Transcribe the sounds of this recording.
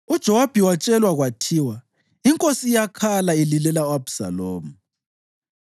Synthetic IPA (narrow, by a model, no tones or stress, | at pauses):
ud̥ʒ̥ʱɔwab̥ʱiwat͡ʃʼɛlwaɣwatʰiːwa | iŋkʼosijakʰalaelilɛlaabsa̰loːmu